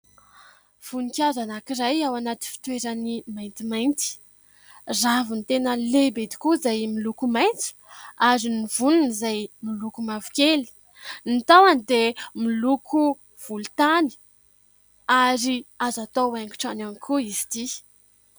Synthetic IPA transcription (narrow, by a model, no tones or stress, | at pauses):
v̥unikʲazanakiɾajawanat̪i̥fi̥t̪weɾənimajnt̪imajnt̪i̥ | zavint̪enəlebed̪i̥kuzajmilukumajnti̥aɾinivununizajmilukumavu̥keli̥ | nit̪awanid̪emilukʰu | v̥ulut̪ani̥ | aɾiazat̪oaŋki̥ʈ͡ʂananikʰuizi̥t̪i